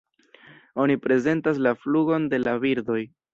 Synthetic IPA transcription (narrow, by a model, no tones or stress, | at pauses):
o̞nipɾe̞ze̞ntas̬lafluɡo̞nde̞labiɾdo̞j